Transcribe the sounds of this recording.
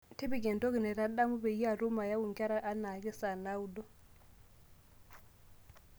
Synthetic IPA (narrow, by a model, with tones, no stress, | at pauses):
ti˦bi˦˨ɡɛ˨nto˦ki˨nɛ˨ɾa˦ɗa˦mu˦bɛ˨ji˦a˨ɾu˦ma˨ja˦wu˨ŋka˦ɾa˦ʔa˦na˨kɛ˦sa˨na˦wu˦dɔ˦